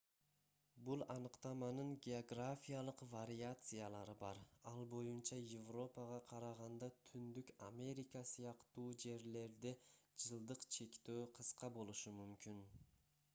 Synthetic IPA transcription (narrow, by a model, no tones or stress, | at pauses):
bulˠɑnɯqt̪ɑmɑnɯɴɡʲe̞oɡrafʲijalˠəqvaɾʲijat̪sɨjalˠɑɾɯbɑɾɑlˠbo̞junt͡ʃɑjevro̞pɑʁɑqʰɑɾɑʁɑnd̪ɑt̪ʰynd̪ykʲamʲe̞ɾʲikɑsijɑqt̪uːd͡ʒe̞ɾle̞ɾd̪ed͡ʒɯlˠd̪ɯqt͡ʃʰe̞kʲt̪øːqʰɯsqɑbo̞lˠuʃumymkʲyn